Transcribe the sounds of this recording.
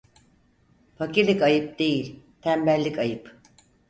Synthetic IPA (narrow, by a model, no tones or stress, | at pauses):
faciɾlʲikajɯp̚d̪̥e̞jilʲ | t̪ʰæmbælʲːikajɯp